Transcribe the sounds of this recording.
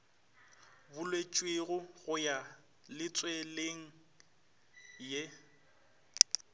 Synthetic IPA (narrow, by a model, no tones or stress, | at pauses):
bʊlwet͡ʃʼweɣʊɣʊja | lɪt͡sʼweleŋ̩ | je